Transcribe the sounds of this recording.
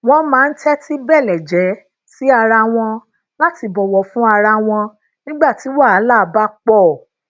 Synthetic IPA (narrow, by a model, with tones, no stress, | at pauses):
w̃ɔ̃˧mãː˨˦˧n̩˦tɛ˦ti˦bɛ˦˨lɛ˨d͡ʒɛ˨˦ | si˦a˧ɾa˧w̃ɔ̃˧ | la˦ti˧bɔ˨wɔ˨fũ˦a˧ɾa˧w̃ɔ̃˧ | nĩ˦ɡ͡ba˦˨ti˨˦wa˦˨a˨˦la˦˨ba˦k͡pɔ˦˨